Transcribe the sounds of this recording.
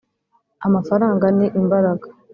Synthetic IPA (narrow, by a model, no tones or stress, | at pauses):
amafaɾaːŋɡaniʔimbaɾaɡḁ